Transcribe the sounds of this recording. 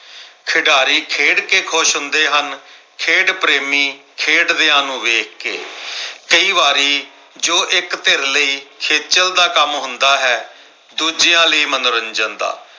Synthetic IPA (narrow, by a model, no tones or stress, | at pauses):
kʰɪɖaːɾiːkʰeːɖkeːkʰʊʃɦʊnd̪eːɦən | kʰeːɖpɾeːmiːkʰeːɖd̪eːãːnũːʋeːkʰkḛːkəiːʋaːɾiː | d͡ʒoːʔɪkt̪eɾləiːkʰeːt͡ʃəld̪aːkəmɦʊnd̪aːɦɛː | d̪uːd͡ʒɪjãːləiːmənɾənd͡ʒənd̪a̰ː